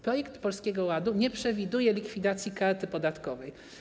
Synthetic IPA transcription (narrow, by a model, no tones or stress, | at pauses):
pɾɔjɛkt̪pɔlskʲɛɡɔwad̪uɲɛpʂɛvʲid̪ujɛlʲikfʲid̪at̪sʲjikaɾt̪ɘpɔd̪at̪kɔvɛj